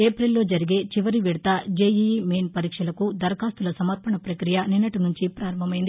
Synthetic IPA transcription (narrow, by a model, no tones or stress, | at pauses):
eːpɾelːo̞ːd͡ʒɐɾiɡe̞ːt͡ʃiʋɐɾiʋiɽɐt̪ɐd͡ʒeːjimeːnpɐɾiːkʂɐlɐkud̪ɐɾɐkaːst̪ulɐsɐmɐt̪̚pʰɐɳɐpɾɐkɾijɐninːɐʈinuɲt͡ʃipɾaːɾɐmbʱɐmɐjind̪i